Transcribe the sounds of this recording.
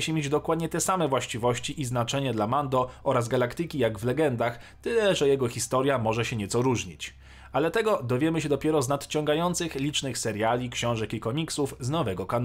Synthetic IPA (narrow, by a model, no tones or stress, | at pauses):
ɕimʲed͡ʑd̪ɔkwad̪ɲɛt̪ɛsamɛvwaɕt͡ɕivɔɕt͡ɕiʔiznat͡ʂɛɲɛd̪lamand̪ɔɔɾazɡalakt̪ɘkʲijaɡvlɛɡɛnd̪axt̪ɘlɛʐɛjɛɡɔxʲist̪ɔɾʲjamɔʐɛɕɛɲɛt̪sɔɾuʐɲit͡ɕ | alɛt̪ɛɡɔd̪ɔvʲjɛmɘɕɛd̪ɔpʲjɛɾɔznat̪t͡ɕɔŋɡajɔnt̪sɘxlʲit͡ʂnɘxsɛɾjalʲikɕɔ̃w̃ʐɛkikɔmʲiksufznɔvɛɡɔkan